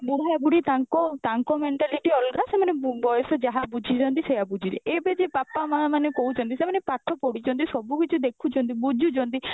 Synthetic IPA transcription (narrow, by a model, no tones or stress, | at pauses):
buɽaebuɽit̪aŋkɔt̪aŋkɔmeɳʈaliʈiɔlkasemanebɔjɔsɔd͡ʒaɦabud͡ʒʱit͡ʃʰɔnt̪isejabud͡ʒʱidḛʔebed͡ʒepapamamanekout͡ʃʰɔnt̪isemanepat̪ʰɔpɔɽit͡ʃʰɔnt̪isɔbukit͡ʃʰud̪ekʰut͡ʃʰɔnt̪̬ibud͡ʒʱut͡ʃʰɔnt̪i